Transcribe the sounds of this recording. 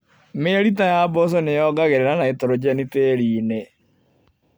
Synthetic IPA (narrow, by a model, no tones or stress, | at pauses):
meɾitajabɔsɔnejɔɡaɣeɾeɾanaetoɾod͡ʑɛniteːɾiːne